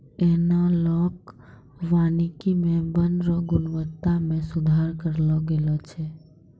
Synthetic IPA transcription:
enalɔːk | ʋanikimẽbənɾɔɡʊnʋət̪ːamẽsʊd̪ʱaːɾkəɾlɔɡelɔt͡ʃʰɛ

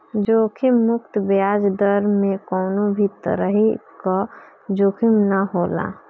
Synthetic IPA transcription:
d͡ʒoːkʰimːʊkt̪bjaːd͡ʒd̪əɾmẽkɔːnõbʱit̪ə̰ɾəɦika | d͡ʒoːkʰimnəɦoːla̰ː

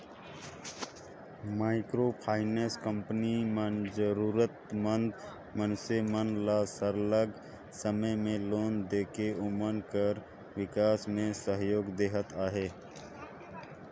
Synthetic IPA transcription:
maːɪkɾopʰaːɪneskə̃mpənimənzəɾuːɾət̪mə̃nd̪ | mənsemənlasəɾləɡ | səməjmẽloːnd̪eːkeʊmənkəɾ | wɪkaːsmẽsəɦjoːɡd̪eːɦət̪aːɦeː

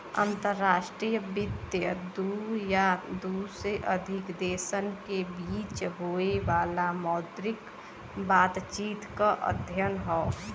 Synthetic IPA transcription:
ə̰nt̪əɾːaːʃʈɾijəbɪd̪jəd̪ujad̪usɾeʔəd̪ʱɪkd̪eːsənkebiːt͡ʃɦoeʋaːlamɔːd̪ɾɪk | baːt̪t͡ʃiːt̪kaʔə̰d̪ʱjənɦɔː

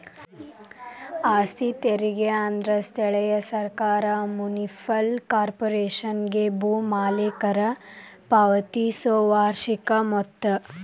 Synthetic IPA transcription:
aːst̪ʰit̪eɾiɡeand̪ɾɐst̪ʰɛɭɐjɐsɐɾkaːɾɐmunifʰɐlkaːɾpoɾeːʃɐnɡebuːmaːlekɐɾɐpɐʋɐt̪isoːʋaːɾʃikɐmɔt̪ːɐ

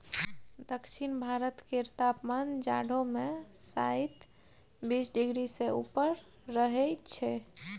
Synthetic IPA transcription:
d̪əkʃʰinbʱaɾət̪keɾt̪apmand͡ʒa̰ɽʱomesait̪ | bisɖiɡɾiseṵpəɾː | əɦɛt͡ʃʰɛ

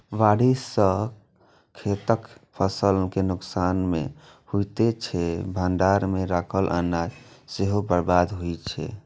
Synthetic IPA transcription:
ʋaɽisə | kʰːet̪əkpʰəsəlkenuksanmḛ | hujt̪et͡ʃʰɛbʱənɖaɾmeɾakʰəlʔa̰nad͡ʒseɦobəɾbad̪ɦujt͡ʃʰɛ̰

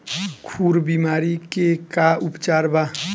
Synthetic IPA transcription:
kʰuɾbimaːɾikekaupt͡ʃaɾba

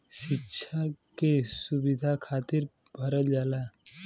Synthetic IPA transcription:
ʃikːʰakesubid̪ʱakʰaːt̪iɾ | bʱəɾəld͡ʒala

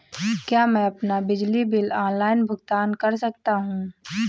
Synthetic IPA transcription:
kjaːmɛ̃ɐpnabɪd͡ʒlibɪlaːnlaːɪnbʱʊɡt̪aːnkɐɾsɐk̚t̪aɦũː

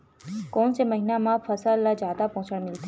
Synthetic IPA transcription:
kɔːnseməɦinamãfəsalːad͡ʒjad̪apɔɦt͡ʃəɽmɪlt̪ː

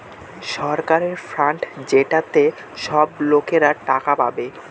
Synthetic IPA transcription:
ʃɔɾkaɾeɾfɾaɳʈd͡ʑeʈat̪e | ʃɔblokeɾaʈakapa̰be

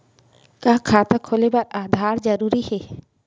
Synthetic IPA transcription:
kakʰaːt̪akʰolebaɾaːd̪ʱaɾd͡ʒəɾuɾihɛ

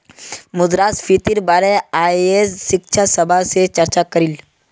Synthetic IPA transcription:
mʊd̪ɾaːsfʰit̪iɾbaːɾeaːiesːɪkʃʰasɐbʱaset͡ʃɐɾt͡ʃakɐɾil

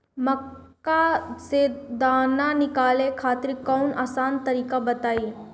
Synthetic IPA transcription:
mɐkːased̪aːnanɪkaːlekʰaːt̪ɪɾikɔːnaːsaːnt̪ɐɾiːkabɐt̪aːiː

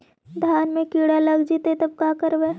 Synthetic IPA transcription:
d̪ʱjaːnmẽkiːɽalɐɡd͡ʒit̪et̪ɐb̚kaːkəɾbe

